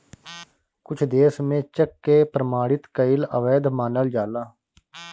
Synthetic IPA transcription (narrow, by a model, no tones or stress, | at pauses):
kʊt͡ʃʰd̪eːsmẽːt͡ʃəkːeːpɾəmaːɽɪt̪kəɪlə̰ʋeːd̪maːnəld͡ʒaːlaː